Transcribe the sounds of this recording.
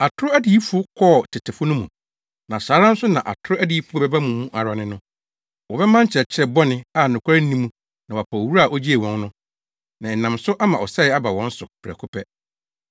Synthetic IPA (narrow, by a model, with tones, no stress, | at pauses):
a˨tʰʊ˦ɾʊ˦æ˦di˨i˦fʊ˦kʰɔ˦˨tʰɪ˨tʰɪ˨fʊ˦nʊ̃˦mũ˨ | nã˨saː˨˦ɾã˦n̩˦sʊ˦nã˨ʔa̰˨tʰʊ˦ɾʊ˦æ˦di˦i˦fu˦ɔ˦bɛ˦ba˦mũ˨mũ˦ʔa˨ɾa˨˦nɪ̃˦nʊ̃˦ | wɔ˨bɛ˦mã˦ɲ̩˦t͡ɕʰɛ˨t͡ɕʰɛ˦bɔ˦nɪ̃˦a˨nʊ̃˨kʰʷa˦ɪ˦n̩˦nĩ˦mũ˦ | nã˨wa˨pʰa˨o˨wu˦ɾa˦˨ʔo˦d͡ʑi˦e˨wɔ̃˦n˦nʊ̃˦ | nã˨ɛ˨nã˨msʊ˦ʔa˦mã˨ɔ˨sɛ˦ɪ˨˦a˦ba˨wɔ̃˦n̩˦sʊ˨pʰɾɛ̰˨kʰʊ˦pʰɛ˦